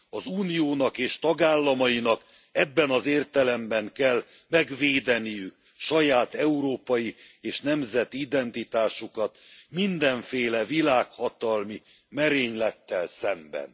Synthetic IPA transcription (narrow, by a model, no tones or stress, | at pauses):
ɒzuːnijoːnɒkeːʃt̪ɒɡaːlːɒmɒjinɒk | ɛbːɛnɒzeːrt̪ɛlɛmbɛŋkɛlː | mɛɡʋeːd̪ɛnijyk̚ | ʃɒjaːt̪ɛuɾoːpɒjieːʃnɛmzɛt̪iid̪ɛnt̪it̪aːʃukɒt̪mind̪ɛɱfeːlɛvilaːkhɒt̪ɒlmi | mɛɾeːɲlɛt̪ːɛlsɛmbɛ̰n